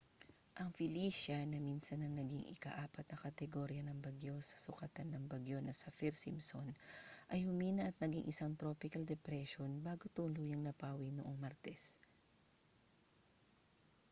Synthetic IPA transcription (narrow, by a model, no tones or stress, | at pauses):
ʔɐŋfɪliːʃɐnɐmiːnsɐnɐŋnɐɡiŋʔɪkaʔaːpɐt̪̚nɐkɐt̪ɛɡo̞ːɾjɐnɐŋbɐɡjo̞sɐ̥sʊkɐt̪anːɐŋbɐɡjo̞nɐsɐfiɾsimsonʔɐjhʊmiːnɐʔɐt̪̚nɐɡḭŋʔɪsaŋt̪ɾo̞ːpɪkɐld̪ɛpɾɛʃonbaːɡot̪ʊlujɐŋnɐpaːwinoʔoŋmɐɾt̪ɛs